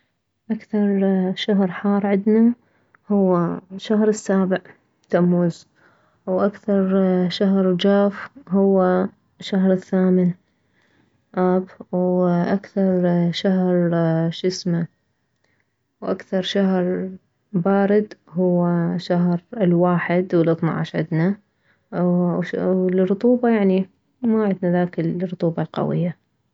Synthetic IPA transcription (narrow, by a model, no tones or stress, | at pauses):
ʔakθɑɾˤʃaɦɾˤħɑːɾˤʕɪd̪na | hʊwːaʃahɾɪsːaːbɪʕ | t̪amːuːz | wʔakθɑɾˤʃaɦɾˤd͡ʒaːfhʊwːa | ʃːaɦɾˤɪθːaːmɪn | ʔabwʔakθɑɾˤʃaɦɾˤʃɪsma | wʔakθɑɾˤʃahɾˤ | baːɾɪd̪hʊwːaʃaɦɾɪlwaːħɪd̪wɪlʔɨt̪ˤna̰ʕa̰ʃʕɪ̰d̪na | lrʊt̪ˤuːbajaʕni | maʕɪd̪naðaːkɪlrˤːʊt̪ˤuːbɑlqɑ̰wɪ̰jːa